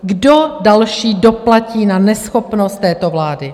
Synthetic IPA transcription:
ɡdodalʃiːdo̞placiːnanɛsxopnost̪ːɛːt̪ovlaːdɪ

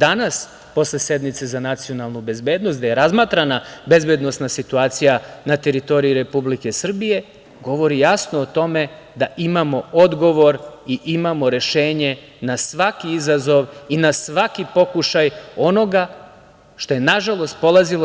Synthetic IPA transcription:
d̪anas | po̞sle̞se̞d̪mit̪se̞zanat̪sijo̞nalˠnube̞zbe̞ːd̪not̪d̪aje̞ɾazmat̪ɾanabe̞zbe̞d̪no̞st̪nasit̪uaːt̪sijanat̪e̞ɾit̪o̞ɾiiɾe̞publike̞sr̩bije̞ | ɡo̞ʋo̞ɾijasnoːt̪o̞me̞ | d̪aʔimamo̞o̞d̪ɡo̞ʋo̞ɾiʔimamo̞ɾe̞ʃe̞ːɲe̞ | nasʋakiizazo̞ʋinasʋakipo̞kuʃajo̞no̞ɡa | ʃt̪o̞je̞naʒalˠo̞st̪̚po̞lˠazilo

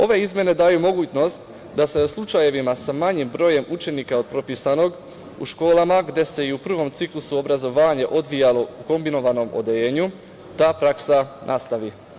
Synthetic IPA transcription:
o̞ʋe̞izmje̞ne̞d̪aːjumo̞ɡuːt͡ɕno̞st̪ | d̪ase̞slˠut͡ʃaje̞ʋimasamaɲimbɾo̞ːje̞mut͡ʃe̞niːkao̞d̪̚pɾo̞piːsano̞ɡ | ṵʃko̞ːlˠamaɡd̪e̞se̞iupr̩ʋo̞mt̪siklˠusuo̞bɾazo̞ʋaːɲe̞ʔo̞d̪ʋijalˠo̞uko̞mbino̞ʋano̞mo̰d̪e̞ʎeːɲu | t̪aːpɾaksanʔast̪aʋi

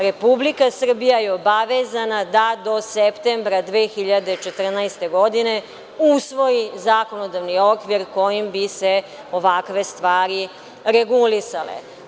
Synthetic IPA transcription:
ɾe̞publikasr̩bijajeobaʋezanad̪ad̪o̞sept̪embɾad̪ʋeːxiʎad̪et͡ʃet̪r̩najst̪e̞ɡo̞d̪ine | usʋo̞jizaːko̞nod̪aʋnio̞kʋiɾko̞jimbise | o̞ʋakʋe̞st̪ʋaːɾi | ɾeɡulisalḛ

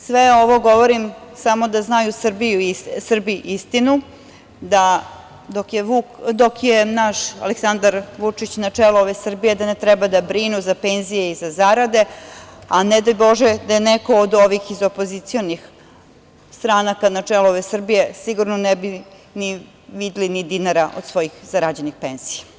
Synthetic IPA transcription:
sʋeoʋo̞ɡo̞ʋoɾimsamo̞d̪aznajusr̩bijuisr̩biʔist̪inu | d̪a | d̪okjeʋukd̪okjenaʃa̰leksand̪aɾʋut͡ʂit͡ɕnat͡ʂɛlooʋesr̩bije̞d̪anet̪ɾɛbad̪abɾinuzapenzije̞izazaɾad̪e̞aned̪ajbo̞ʒɛd̪ajeneko̞ːd̪oʋixizopozit̪sionix | st̪ɾaːnakanat͡ʂɛlooʋesr̩bije̞siɡuɾnonɛbi | ni | ʋid̪ilinid̪inaɾaʔod̪̥sʋo̞jixzaɾad͡ʑenixpenz̥ija

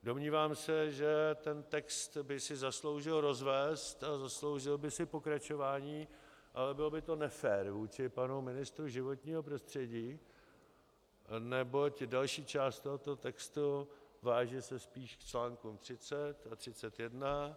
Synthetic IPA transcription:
do̞mɲiːvaːmsɛʒɛt̪ɛnt̪ɛkst̪bɪsɪzaslo̞wʒɪlɾo̞zvɛːst̪azaslo̞wʒɪlbɪsɪpo̞kɾat͡ʃo̞vaːɲiː | ʔalɛbɪlbɪt̪o̞nɛfɛːɾvuːt͡ʃɪpanumɪnɪst̪ɾuʒɪvo̞t̪ɲiːɦo̞pɾo̞st̪r̝̥ɛɟiː | nɛbo̞cdalʃiːt͡ʃaːst̪t̪oɦot̪oɦot̪ɛkst̪uvaːʒɛsɛspiːʃkt͡ʃlaːŋkumt̪r̝̥ɪt͡sɛt̪at̪r̝̥ɪt͡sɛt̪jɛdna

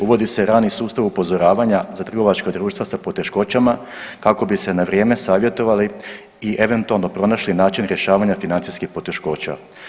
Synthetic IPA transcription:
uʋo̞d̪ise̞ɾaːnisuːst̪aʋupo̞zo̞ɾaːʋaɲazat̪r̩ɡo̞ʋat͡ʃkod̪ɾuːʃt̪ʋasapo̞t̪e̞ʃko̞ːt͡ɕama | kako̞bise̞naʋɾjeːme̞saːʋje̞t̪o̞ʋali | iʔe̞ʋe̞nt̪ualˠno̞pɾo̞naʃlinaːt͡ʃinɾje̞ʃaːʋaɲafinant̪siskixpo̞t̪e̞ʃko̞ːt͡ɕa̰

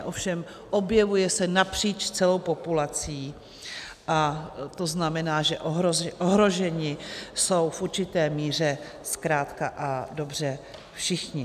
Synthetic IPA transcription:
ʔo̞fʃɛm | ʔo̞bjɛvujɛsɛnapr̝̥iːt͡ʃt͡sɛlo̞wpo̞pulat͡siː | ʔat̪o̞znamɛnaːʒɛʔoɦozʔoɦɾo̞ʒɛɲɪso̞wfʔuɾt͡ʃɪt̪ɛːmiːr̝ɛ | skɾaːt̪kaʔado̞br̝ɛ | fʃɪxɲɪ

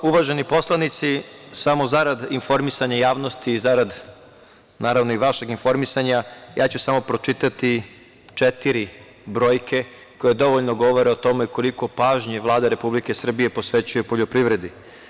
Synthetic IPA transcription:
uʋaʒe̞nipo̞slˠanit̪sisamo̞zaɾad̪info̞ɾmisaɲajaːʋnost̪iːzaɾad̪ | naːɾaʋno̞iʋaʃeɡinfo̞ɾmisaɲajaːt͡ɕusamo̞pɾo̞t͡ʃit̪at̪i | t͡ʃet̪iɾi | bɾo̞ːjkʰe̞ | ko̞je̞d̪o̞ʋoʎnoɡo̞ʋo̞ɾe̞o̞t̪o̞meiko̞liko̞paːʒɲeʋlˠaːd̪aɾe̞publikesr̩bije̞po̞sʋe̞t͡ɕujepo̞ʎopɾiʋɾe̞d̪i

